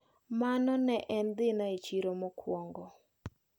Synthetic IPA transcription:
manɔnɛʔɛnd̪ɪnaet͡ʃiɾomɔkʰwɔŋɡɔ

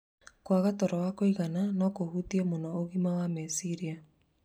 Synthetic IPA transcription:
kwaɣatɔɾɔwakoiɣananɔkohutiemonɔoɣimawamesiɾia

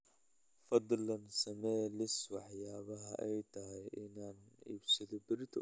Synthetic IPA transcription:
fɐd̪ˤlɐnsɐmɛːlɪswɑħjaːβɐɦɐʔɛjt̪ʰɐɦɛjʔɪnaːniːbsɐðɔbɪrt̪ʰɐ

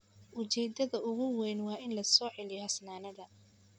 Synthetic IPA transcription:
ʔʊt͡ʃɛjd̪ɐðɐʔʊɣʊwɛjnwɑːʔɪnlɐsɔːʕɛlɪjɔhɐsnaːnɐðɐ

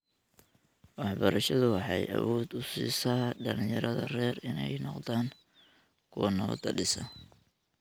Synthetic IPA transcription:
wɑħbɐɾɐʃɐðʊwɑħɑjʔɐ̰wɔːd̪ʊsḭːsaːɖɐlɪjɐɾɐðɐrɛːrɪnɛjnɔqd̪aːŋ | kʰʊwɐnɐ̰d̪ɐɖɪsɐ

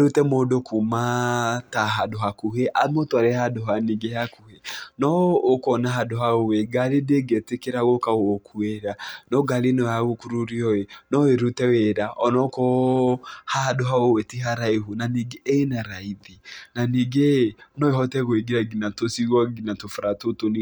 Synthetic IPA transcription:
eɾutɛmodokʰumataɦadoɦakuɦeʔamotoaɾehadoɦaniɡehakuhenɔːkɔnaɦadoɦaoweɡaɾedeɡetekeɾaɣokaɣokʰueɾanɔɡaɾenɔjaɣokuɾuɾiɔenɔeɾutɛweɾaʔɔnɔkɔ | hadoɦaowɛtiɦaɾaiɦonaniɡeenaɾaiðinaniɡenɔehɔtɛɣoeɡiɾaɡinatosiɣwɔɡinatofaɾatoton

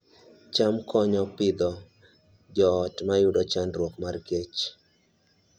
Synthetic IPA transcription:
t͡ʃamkʰɔɲɔpɪd̪ɔ | d͡ʒɔːtmajudɔt͡ʃanɾwɔkmarɡet͡ʃ

